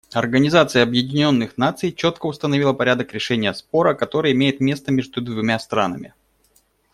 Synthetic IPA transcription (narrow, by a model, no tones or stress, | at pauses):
ɐrɡənʲɪzat̪sɨjəɐbjɪdʲɪnʲo̞nːɨxnat̪sɨjt͡ɕo̞t̪kəʊst̪ənɐvʲilˠəpɐɾʲad̪əkɾʲɪʂɛnʲɪjəspo̞ɾəkɐt̪o̞ɾɨjəɪmʲejɪt̪mʲe̞st̪əmʲeʐd̪ʊd̪vʊmʲast̪ɾanəmʲɪ̰